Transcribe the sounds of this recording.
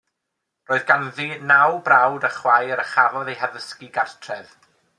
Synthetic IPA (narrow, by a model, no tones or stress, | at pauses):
roːɨðɡanðiːnawbrawdəχwajɾəχavɔðejɦaðəskiɡartʰrɛð